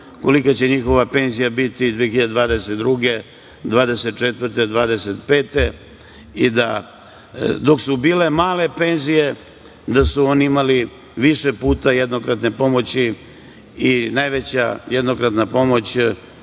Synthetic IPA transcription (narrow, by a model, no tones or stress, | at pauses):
ko̞likat͡ɕe̞ɲixo̞ʋape̞nzijabit̪id̪ʋijexiʎad̪ed̪ʋaːd̪eset̪d̪ɾuɡe | d̪ʋaːd̪e̞set̪̚t͡ʃet̪ʋvɾ̩t̪ed̪ʋaːd̪eset̪pe̞ːt̪e̞ | id̪a | d̪o̞ksubiːle̞maːle̞pe̞nzije̞ | d̪asuo̞niimali | ʋiʃepuːt̪ajed̪nokɾat̪ne̞po̞mo̞t͡ɕi | inajʋet͡ɕa̰jed̪nokɾat̪napo̞mo̞t͡ɕ